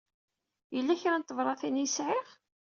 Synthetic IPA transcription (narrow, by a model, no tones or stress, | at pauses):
jəlːæçɾænt̪ːəvɾˤɑθinjəsʕɪʁ